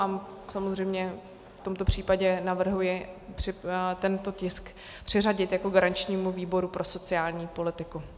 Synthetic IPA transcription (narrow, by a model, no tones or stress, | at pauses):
amsamozrɛjmɲɛ | ft̪o̞mt̪o̞pr̝̥iːpaɟɛnavr̩ɦujɪpr̥ɪt̪ɛnt̪o̞cɪsk | pr̥ɪraɟɪt̪jako̞ɡaɾant͡ʃɲiːmuviːbo̞ɾupɾʔo̞so̞t͡sɪaːlɲiːpo̞lɪt̪ɪku